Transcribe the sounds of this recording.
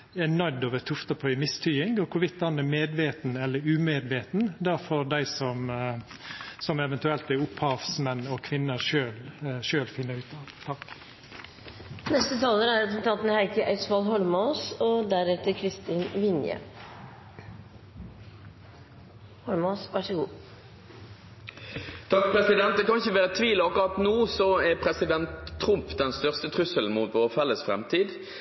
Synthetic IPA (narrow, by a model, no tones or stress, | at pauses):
ɛnœd̪oːʋət̪ʰʊft̪ɑpʰœʏmɪst̪ʰʏːɪŋɡɔkʰʊʋɪt̪ːɑnəmeːd̪ʋeːt̪nɛlːəɾʉːmeːd̪ʋeːt̪n̩d̪ɑfoːɾd̪æɪsɔm | sɔmɛʋɛnt̪ʉɛlt̪ɛɾʊphɑːʋsmɛnːɔkʰʋɪnːəʂøːlʃøːlfɪnːəʉːt̪ɑʋt̪ʰɑk | nɛst̪ət̪ʰɑːləɾæɾɛt̪ɾənt̪ʰɑːt̪n̩hæɪkəʔæɪsʋɑlɦɔlmɑʉsɔd̪æɾɛt̪ːəɾkʰɾɪst̪iːnʋɪnjə̰ | hɔlmɑʊsʋɑʂəɡuː | t̪ʰɑkpʰɾɛsɪd̪ɛnt̪̚d̪ɛkʰɑnɪçəʋæːʁət̪ʰʋiːlɔɑkʊʁɑt̪nuːsɔɛɾpʰɾɛsɪd̪ɛnt̪ʰːɾʊmpd̪ɛnst̪œʁst̪ət̪ʰɾʉsəln̩muːt̪ʋoːʁfɛlːəsfɾɛ̰mt̪ʰiːd̪